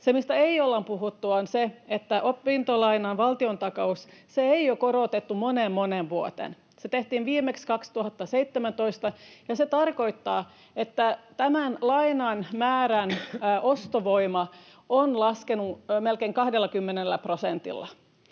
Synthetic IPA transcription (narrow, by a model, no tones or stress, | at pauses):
semist̪æeiolːɑmpuɦut̪ːuonseet̪ːæʔopːint̪olɑinɑnʋɑlt̪iont̪ɑkɑusseeiokoɾot̪et̪ːumonemːonenʋuot̪ḛn | set̪eht̪iːnʋiːmekskɑkst̪uhɑt̪ːɑseit̪ːemænt̪oist̪ɑjɑset̪ɑrkoit̪ːɑː | et̪ːæt̪æmænlɑinɑnmæːɾænʔost̪oʋoimɑ | onlɑskenumelkeiŋkɑhdelːɑkymːenelːæprosent̪ḭlːɑ̰